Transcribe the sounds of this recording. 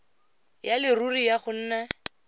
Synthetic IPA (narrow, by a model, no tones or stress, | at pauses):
jalɪrurijaχʊn̩ːnɛ